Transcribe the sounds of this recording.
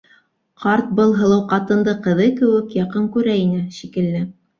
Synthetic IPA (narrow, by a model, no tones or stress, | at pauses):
qɑɾt̪̚bɤlˠɦɤ̆lˠɤwqɑt̪ɤ̆nd̪ɤqɤ̆ðɤkɘ̆wɘkjɑqɤŋkʉɾæinɘʃikɘ̆lːɘ